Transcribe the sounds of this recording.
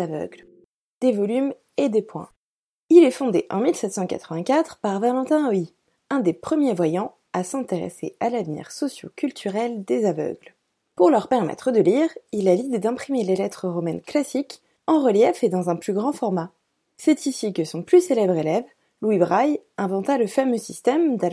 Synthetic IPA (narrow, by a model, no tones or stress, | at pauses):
avœ̰ɡl | d̪evɔlym | ed̪epwɛ̰̃ | ilɛfɔ̃d̪eʔɑ̰̃milsɛt̪sɑ̃ka̰t̪χəvɛ̃kʲat̪χpaʁvalɑ̃t̪ɛ̃ɔi | ɛ̃d̪epχəmjevwajɑ̃ | asɛ̃t̪eʁḛsḛalavnḭʁsɔsjo̰kʲylt̪ʰyʁɛld̪ezavœ̰ɡl | puʁlœʁpɛʁmɛ̰t̪χəd̪əliʁilalid̪ed̪ɛ̃pχimelelɛt̪χəʁɔmɛnklasik | ɑ̃ʁəljɛfed̪ɑ̃zɛ̃plyɡʁɑ̃fɔʁma | sɛt̪isikəsɔ̃plyselɛbʁelɛv | lwibʁajɛ̃vɑ̃t̪aləfamøsist̪ɛmd̪a